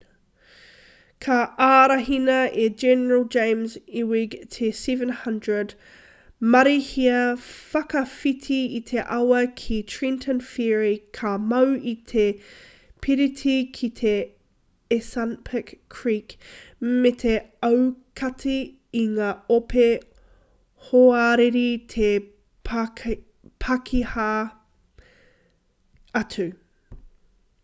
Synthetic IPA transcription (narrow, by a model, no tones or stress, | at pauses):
kʰɐaɾɐɦinɐed͡ʒɛnəɹəlˠd͡ʒẽɪ̃mziwiɡtʰesɛvə̃nhɐndɹəd | mɐɾihiɐfɐkɐfitʰiit̪ʰeʔawɐkʰitʰɹintʰə̃nfiɹikʰɐmɐwit̪ʰe | pʰiɾitʰikʰit̪ʰe | esanpʰəkʰːɹikmet̪ʰeɐwkʰɐtʰiː | ŋaːopʰe | hoaɾeɾit̪ʰe | p | pʰɐkʰiha | ɐtʰʉ